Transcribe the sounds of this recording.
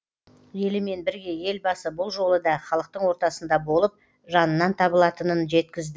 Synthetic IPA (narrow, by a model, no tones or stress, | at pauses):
je̞lɪme̞nbɪɾɡʲe̞je̞lbɑsəbʊlˠʒo̞lˠəd̪ɑχɑlˠəq̚t̪əɴwo̞ɾt̪ɑsənd̪ɑbo̞lˠəp̚ | ʒɑnənːɑnt̪ʰɑbəlˠɑt̪ənənʒe̞t̪kʲɪzd̪ɪ